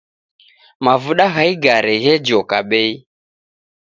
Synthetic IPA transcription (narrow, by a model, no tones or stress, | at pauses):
mavuɗaɣaiɡaɾɛɣɛd͡ʒɔkaɓɛi